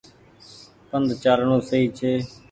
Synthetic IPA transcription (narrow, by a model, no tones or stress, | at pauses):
pənd̪t͡ʃaːɾɳũːsəiːt͡ʃʰeː